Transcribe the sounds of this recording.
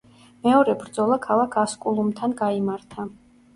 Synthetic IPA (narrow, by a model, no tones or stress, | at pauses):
mɛɔɾɛbɾd̪zɔlˠakʰalˠakʰaskʼulˠumt̪ʰanɡaimaɾt̪ʰa